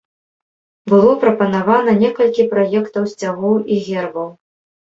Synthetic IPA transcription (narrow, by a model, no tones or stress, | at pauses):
bɨlˠɔpɾɐpɐnavanɐnʲɛkɐlʲkʲipɾajɛkt̪ɐwsʲt͡sʲaɣɔwiɣʲɛrbɐw